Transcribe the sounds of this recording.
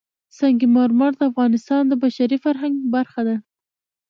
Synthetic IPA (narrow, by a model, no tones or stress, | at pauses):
saŋɡimɑɾmɑɽd̪əafɣɑnɪst̪ɑnd̪əbaʃaɾifaɾɦaŋɡbaɾxad̪a